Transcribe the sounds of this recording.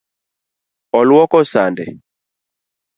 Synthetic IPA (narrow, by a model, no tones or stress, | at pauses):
ɔlwɔkɔsandɛ̰